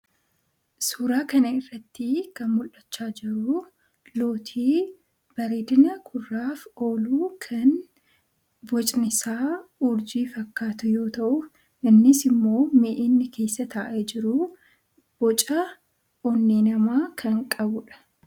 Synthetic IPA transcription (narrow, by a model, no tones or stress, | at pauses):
suːɾaːkɐnɐɪrːɐt̪ːɪkɐnmʊlːɐt͡ʃːaːd͡ʒɪɾʊ | lo̞ːt̪ʰiː | b̥ɐɾeːd̪ɪnɐkʰʊrːaːfo̞ːluːkʰɐn | bɔt͡ʃʼnɪsaːʊɾd͡ʒiːfɐkːaːt̪ʊjo̞ːt̪ɐʔʊ | ʔɪnːɪsɪmːo̞ːmeːʔɪnːɪkʰe̞ːsːɐt̪aːʔɛd͡ʒɪɾʊ | b̥ɔt͡ʃʼɐ | ɔnːiːnɐmaːkʰɐŋkʼɐbʊᶑɐ̥